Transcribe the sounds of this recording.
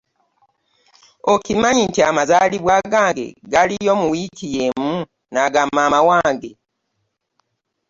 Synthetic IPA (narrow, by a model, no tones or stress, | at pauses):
okimaɲintiamazaliβwaɡaːŋɡe̞̰ɡalijo̞muwikijemu | naɡamaːmawaːŋɡe